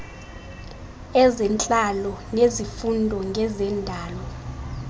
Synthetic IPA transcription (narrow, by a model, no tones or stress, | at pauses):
ɛzɛnt͡ɬʼalɔnezifundʱɔŋɡʱɛzɛndʱaːlɔ